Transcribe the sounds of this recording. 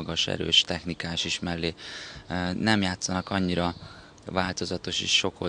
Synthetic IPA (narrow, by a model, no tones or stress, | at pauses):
ɡɒʃɛ̰ɾø̰ːʃt̪ɛxnikaːʃiʃmɛlːeː | nɛmjaːt̪sɒnɒkɒɲːiɾɒ | vaːlt̪o̞zɒt̪o̞ʃḛːʃːo̞ko